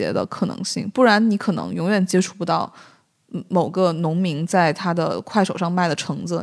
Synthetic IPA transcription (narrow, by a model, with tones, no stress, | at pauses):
ɛ̰˧˥d̪ə̰˧kʰɤ˨˩nɤ̰˧˥ŋɕḭ˥˩ŋpu˥˩ɻa˧˥nni˧˥kʰɤ˨˩nɤ̰˧˥ŋjʊ˧˥ŋɥɛ˨˩nt͡ɕjɛ˥ʈ͡ʂʰu˥˩pu˧˥t̪ɑ˥˩ʊ | mo˨˩ʊɡə˧nʊ˧˥ŋmi˧˥ŋt͡sa˥˩ɪt̪ʰa˥d̪ə̰˨kʰwa˥˩ɪʂo˨˩ʊʂɑ˥˧ŋma˥˩ɪd̪ə˩ʈ͡ʂʰɤ˧˥ŋd͡zɹ̩˧